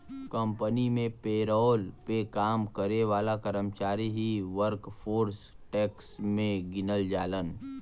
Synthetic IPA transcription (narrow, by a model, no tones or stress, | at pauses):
kə̃mpənimẽpeːɾɔːlpekaːmkəɾeʋaːlakəɾəmt͡ʃaːɾiɦiʋəɾkpʰoːɾs | ʈɛːksmẽɡɪnəld͡ʒaːlən